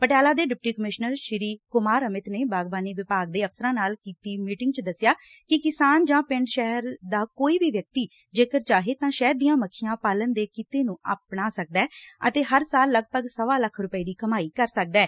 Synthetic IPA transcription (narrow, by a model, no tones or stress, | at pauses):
pəʈjaːlaːd̪eːɖɪp̚ʈiːkəmɪʃnəɾʃɪɾiːkʊmaːɾəmɪt̪neːbaːɡbaːniːʋɪpaːk̚d̪eːəpsəɾãːnaːlkiːt̪iːmiːʈɪŋɡt͡ʃəd̪əsːɪjaː | kɪkɪsaːnd͡ʒãːpɪ̃ɳɖʃɛɦəɾd̪aːkoːiːbiːʋjək̚t̪iː | d͡ʒeːkəɾt͡ʃaːɦeːt̪ãːʃɛːɾd̪iːãːməkʰːɪjãːpaːlənd̪eːkit̪eːnũːaːpnaːsək̚d̪ɛːə̰t̪eːɦəɾsaːlːəɡ̚bəɡsəʋaːləkʰːɾʊpəiːd̪iːkəmaːiːkəɾsək̚d̪ɛː